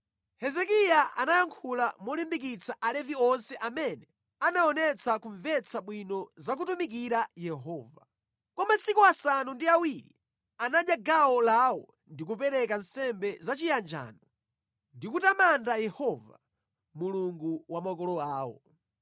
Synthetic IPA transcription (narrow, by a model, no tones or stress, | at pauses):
hɛzɛkijaa̰najaŋkʰulamɔlimbik̬it͡saʔalɛviɔnsɛʔamɛnɛ | anaɔnɛt͡sakuɱvɛt͡sʰaɓwinɔzak̬utumik̬iɾajɛɦɔːva | kɔmasikuasanundiawiɾḭ | anaɗjaɡawɔlawɔ | ndik̬upɛɾɛkan̩sɛmbɛzat͡ʃijand͡ʒa̰nɔ | ndikutamandajɛhɔva̰ | muluŋɡuwamakɔlɔaːwɔ̰